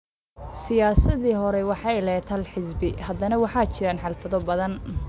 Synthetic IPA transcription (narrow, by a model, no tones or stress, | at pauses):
sɪjaːsɐðiːɦɔɾɛwɑħɑjlɛːt̪ʰɐlħɪsbɪhɐd̪ɐnɐwɑħɑːt͡ʃɪɾaːnħɑlfɐðɔbɐðɐn